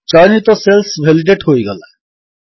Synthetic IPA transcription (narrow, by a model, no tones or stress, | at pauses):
t͡ʃɔnit̪ɔselsbʱeliɖeʈɦoiɡʌla